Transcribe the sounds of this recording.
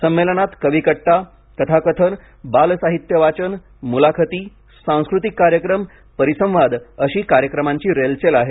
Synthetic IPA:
səmːelənat̪kəʋikəʈʈa | kət̪ʰakət̪ʰən | balsaɦit̪jəʋat͡ɕən | mulakʰət̪iː | sãw̃skɾut̪̬ikːaɾjəkɾəm | pəɾisə̃mʋad̪əɕiːkaɾjəkɾəmaɲt͡ɕiːɾelt͡ɕelaɦe

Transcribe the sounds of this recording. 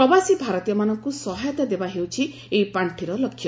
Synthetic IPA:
pɾɔbasibʱaɾɔt̪ijɔmanɔŋkusɔɦajɔt̪ad̪ebaɦewt͡ʃʰi | eipaɳʈʰiɾɔlɔkʰːjɔ

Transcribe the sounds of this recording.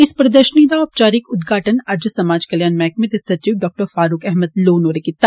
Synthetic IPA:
ɪspɾɐd̪əɾʃniːd̪aɔp̚t͡ʃaːɾɪkʊd̪ɡʱaːʈənɐɾd͡ʒəsɐmaːd͡ʒkɐljaːnmɛːk̚mẽd̪esɐt̪ɾiːɖɔːk̚ʈəɾfaːɾuːkɛɦməd̪loːnoːɾekit̪ːa

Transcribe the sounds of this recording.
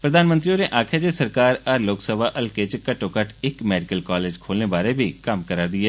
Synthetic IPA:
pɾəd̪aːnmənt̪ɾiõneʔaːkʰed͡ʒesəɾkaːɾɐɾloːksəbʱaʔɐlket͡ʃkɐʈːokəʈʰɪkmɛːɖɪkəlkaːleːd͡ʒkʰoːlnebaːɾebʱikəmkəɾaːd̪ɪeː

